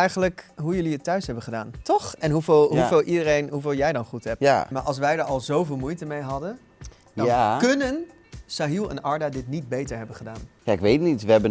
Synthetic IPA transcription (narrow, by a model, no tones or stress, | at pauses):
ɛjχənləkɦujɵliətːœɥsɦɛbənχədaːntɔχɛnɦuvɪːlˠɦuvɪːlˠʔidərejnɦuvɪːlˠjɛjdɑnχutɦɛptmaɹʔɑlˠs̬ʋɛjdəɹɑlˠzowvɪːlˠmujtəmejɦɑdən | kønən | saɦilˠɛ̰nɑɹdadɪtnid̚bejtəɹɦɛbənχədaːnjaɪkʋetnitʋəɛbə